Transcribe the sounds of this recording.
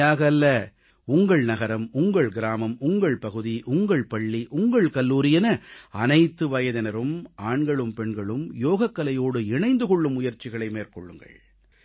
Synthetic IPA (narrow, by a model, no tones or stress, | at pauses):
aːɣɐlːɐ | ʊŋɡɐɭnɐɣɐɾɐmʊŋɡɐɭɡɪɾaːmɐmʊŋɡɐɭpɐɣɯðiʔʊŋɡɐɭpɐɭːiʔʊŋɡɐɭkɐlːuːɾɪjɐnɐɐnɐɪt̪ːɯʋɐjɐðɐnɐɾɯmaːɳɡɐɭɯmpɛɳɡɐɭɯmjoːɣɐkːɐlɐjoːɽɯɪɳɐɪnd̪ɯkɔɭːɯmʊjɐɾt͡ʃːɪɣɐɭɐɪmeːɾkɔ̰ɭːɯ̰ŋɡɐ̰ɭ